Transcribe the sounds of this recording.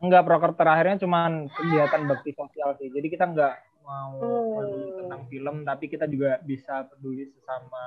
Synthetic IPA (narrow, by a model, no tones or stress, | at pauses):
əŋɡapɾokərt̪əɾahirɲat͡ʃumankəliɦat̪anbak̚t̪isosialsihd͡ʒadikit̪aəŋɡaʔ | mauik̪ət̪aŋfiləmt̪apikit̪ad͡ʒuɡabisapəduisəsama